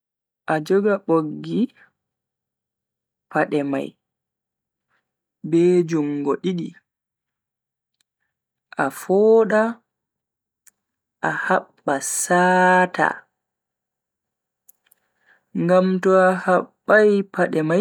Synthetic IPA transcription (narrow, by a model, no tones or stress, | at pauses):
ʔad͡ʒɔɡaɓoɡːi | pʰaɗɛma̰j | bɛd͡ʒuŋːɡɔɗiɗi | ʔafɔːɗa | ʔahaɓːasaːta̰ | ŋɡamtɔahaɓːajpʰaɗɛma